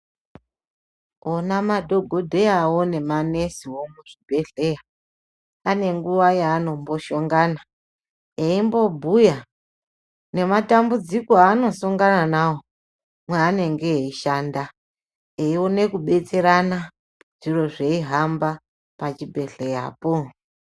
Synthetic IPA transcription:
onamadʱo̞ɡʱo̞dʱe̞awo̞ne̞mane̞siwo̞muʐ̥ibʱe̞ɬe̞ja | ane̞ŋɡuʋajaːno̞mbo̞ʃo̞ŋɡaːna | eimbo̞bʱuja | ne̞matambud͡zikoaːno̞suŋɡananawo | mweane̞ŋɡe̞iʃaːnda | eione̞kuɓe̞t͡se̞ɾana | ʐ̥iro̞ʐe̞iɦamba | pat͡ʃibʱe̞ɬe̞ja̰po

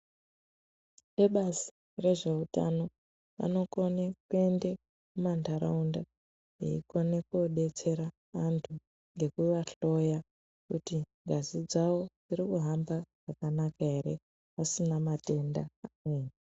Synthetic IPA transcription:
neɓazi̥ | re̞ʐe̞uta̰no̞ | ʋa̰no̞konekue̞nde | kumandaɾa̰unda | ḭḭkonekuoɗe̞t͡se̞ɾaː | ntʰu | ŋɡe̞kuʋaɬo̞ja | kutiŋɡʱazid͡zawo̞d͡ziɾikuɦambaʐ̥akanakaɦe̞ɾe̞ | asinamate̞ndaameːni

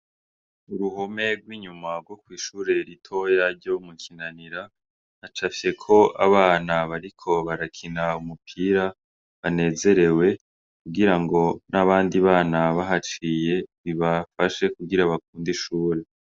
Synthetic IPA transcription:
uɾuhome̞ɡwiːɲumaɡwo̞kwiːʃuːɾe̞ɾitʰo̞jaɾɟo̞mukʰinaniɾa | nat͡ʃafje̞kʰo̞ʔa̰βaːnaβaɾikʰo̞βaɾakʰinaumupʰiɾa | βane̞ːze̞ɾe̞we̞ | kuɡiɾaŋɡo̞naβaːndiβaːnaβaɦat͡ʃije̞βiβafaʃe̞kuɡiɾaβak̚uːndiʃuːɾe̞

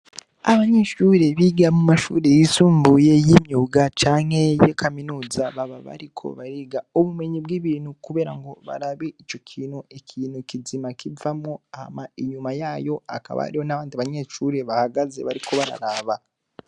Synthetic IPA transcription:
aβaɲe̞ʃuːɾe̞βiɡamumaʃṵːɾe̞jisuːmbuje̞jimɲuːɡat͡ʃaːŋhe̞jekʰaminuːzaβaβaβa̰ɾikʰo̞̰βaɾiɡauβume̞ɲibɡiːβiːnhukuβeːɾaŋɡo̞βa̰ɾaβe̞it͡ʃo̞kʰiːnhuekʰiːnukizimakivamoaha̰maiɲumajaːjo̞a̰ka̰βa̰ɾihonaβaːndiβaɲe̞ːʃuːɾe̞βahaɡaze̞̰βaɾikʰo̞βaɾa̰ɾaːβa

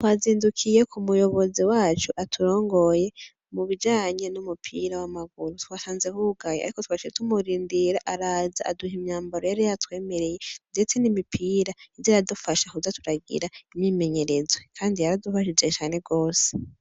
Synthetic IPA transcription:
twaziːndukʰije̞kʰumujo̞βo̞ziwaːt͡ʃuʔatʰuɾo̞ːŋɡo̞je̞ | muβid͡ʒaːɲe̞numupʰḭɾawamaɡuɾutwasaːnze̞huɡajea̰ɾikotwaʃid͡ʒetumuɾiːndiɾaʔaɾaːzaaduhimɲaːmbaɾojaɾijatwe̞ːme̞ɾe̞je̞nde̞t͡se̞nimipʰiːɾaizaɾadufaʃahuzatuɾaɡḭɾaimɲime̞ɲe̞ɾe̞zwekʰaːndijaɾadufaʃid͡ʒet͡ʃaːne̞ɡo̞ːse̥

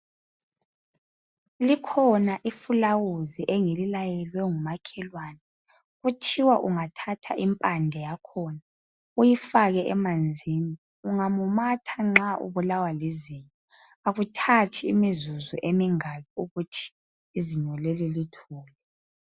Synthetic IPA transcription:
likʰɔnaʔifulawuziʔɛŋelilajɛlwɛŋumakʰɛlwaːnɛ | ɣutʰiwaʔuŋatʰatʰa̰ʔimpʼandʱɛjakʰɔna | ujifaɣɛʔɛmand͡zʱiːni | uŋamumatʰaŋ͡ǁaʔṵβulawaliziɲɔ | aɣutʰatʰiːmizuzuʔemiŋaɣɛuɣutʰi̥ː | ziɲɔlelilitʰuːlɛ

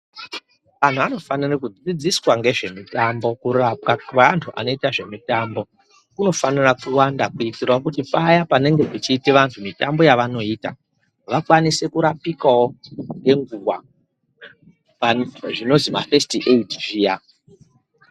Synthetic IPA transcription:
ʋan̤uano̞fanirekud͡zid͡ziswaŋɡe̞ʐe̞mitambo̞kurapkaantʰuʔa̰no̞itaʐe̞mitaːmbo̞ | kuno̞fanirakuwandakuitirwakutipajapane̞ŋɡe̞ket͡ʃiːtiʋantʰumitambo̞jaʋano̞iːta̰ | ʋakwanise̞kuɾapikawo̞ŋɡe̞ŋɡuwa̰ | aʐino̞zimafestiʔeitʐiːja

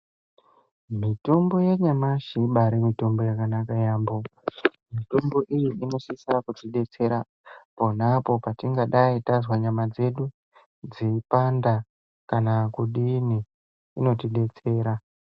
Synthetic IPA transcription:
mitombo̞jeɲamaʃiɓaɾemito̞mbo̞jakanakajaːmbomitombo̞ʔijiino̞sisakutiɗe̞t͡se̞ɾa | po̞napo̞patiŋɡaɗaitazwaɲamad͡ze̞ɗu | d͡zipanda | kanakuɗini | ino̞tiɗe̞t͡se̞ːɾa

